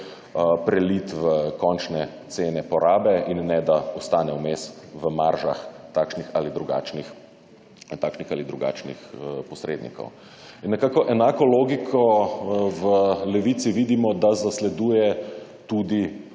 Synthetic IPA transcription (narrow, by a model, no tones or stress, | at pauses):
pɾɛlit̪ʋəkɔnt͡ʃnɛt̪seːnɛpɔɾaːbɛinːɛd̪aɔst̪aːnɛwmesʋəmaɾʒa̰xt̪aːkʃnixaːlid̪ɾuɡa̰ːt͡ʃnix | t̪aːkʃnixalid̪ɾuɡa̰ːt͡ʃnḭxpɔsɾḛd̪nḭkɔ̰w | inːɛkakɔʔɛnaːkɔloːɡikʰɔ | ʋəlɛʋit̪siʋid̪imɔd̪azaslɛd̪uːjɛ | t̪ud̪i